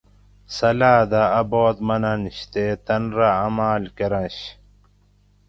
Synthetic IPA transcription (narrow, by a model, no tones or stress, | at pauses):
sɐlaːd̪aːboːt̪mɐnɐniɕt̪eːt̪ɐnɾaɐmaːlkeɾɐ̃ɕ